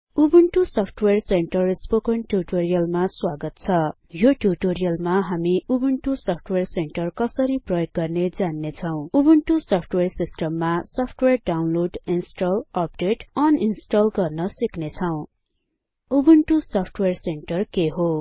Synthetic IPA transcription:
ubuɳʈusʌpʰʈwerseɳʈʌrspokʌnʈuʈoɾijʌlmaswaɡʌt̪̚t͡sʰʌ | joʈuʈoɾijʌlmaɦamiubuɳʈusʌpʰʈwerseɳʈʌrkʌsʌɾiprʌjok̚ɡʌrned͡zanːet͡sʰʌw̃ubuɳʈusʌpʰʈwersisʈʌmːasʌpʰʈwerɖawnloɖinsʈʌlʌp̚ɖeʈʌninsʈʌlɡʌrnʌsiknet͡sʰʌw̃ | ubuɳʈusʌpʰʈwerseɳʈʌrkeɦo

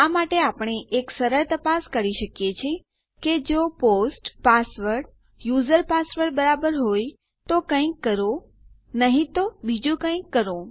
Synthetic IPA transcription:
amaʈeapɳ̃eʔeksəɾəɭt̪əpaskəɾiʃəkjet͡ʃʰe | ked͡ʒoposʈpasʋəɾɽ | juzəɾpasʋəɾɖ̚bəɾabəɾɦoj | t̪okə̃ĩkːəɾo | nəɦĩt̪obid͡ʒũkə̃ĩkːəɾõ

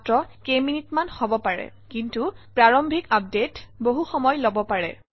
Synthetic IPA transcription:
tɹɔkeminitmanxɔbɔpaɹɛ̰kintupɹaɹɔmbʱikap̚detboɦuxɔmɔjlobɔpaɹɛ̰

